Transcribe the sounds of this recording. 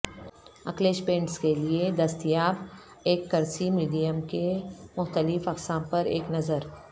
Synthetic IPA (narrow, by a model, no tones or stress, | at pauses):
ɐ̰kleːʃpẽːɳʈskelied̪ɐst̪ijaːb | eːkːɐɾsimiːɖijəmkemʊxt̪əlɪfɐqsãːmpɐɾḛːknɐzəɾ